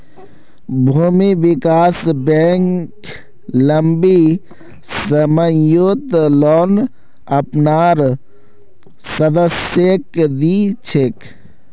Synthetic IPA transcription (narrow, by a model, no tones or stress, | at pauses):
bʱuːmiʋikaːsbeŋk | ləmbi | səməjot̪lɔːn | ɐpnaːɾ | səd̪əsjekd̪it͡ʃʰek